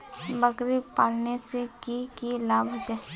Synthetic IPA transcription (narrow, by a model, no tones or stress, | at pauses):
bəkɾipaːlnesekikilaːbʱɦod͡ʒɛ